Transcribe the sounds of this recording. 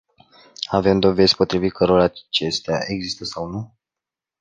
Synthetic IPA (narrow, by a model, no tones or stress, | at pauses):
ave̞md̪o̞ve̞zʲpo̞t̪ɾivit̪̚kʰəɾoɾaat͡ʃe̞st̪eaʔe̞ɡzist̪əsawnu